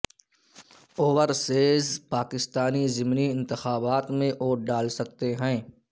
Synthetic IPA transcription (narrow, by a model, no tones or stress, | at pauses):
oːʋəɾseːzpaːkɪst̪aːnizɪmniɪ̃nt̪ɪxaːbaːt̪mẽʔoːɾɖaːlsɐk̚t̪eɦɛ̃ː